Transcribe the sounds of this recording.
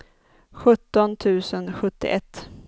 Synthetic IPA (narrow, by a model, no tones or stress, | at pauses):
ɧɵt̪ːɔnt̪ʰʉ̟ːsənɧɵt̪ːɪ̰ʔɛt̪ː